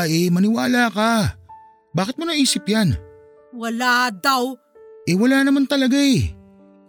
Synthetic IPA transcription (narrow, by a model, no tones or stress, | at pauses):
ʔɛmɐnɪwaːlaka | baːkɪt̪monɐʔiːsɪpjan | wɐlad̪aw | ʔɛwɐlaːnɐmant̪ɐlɐɡae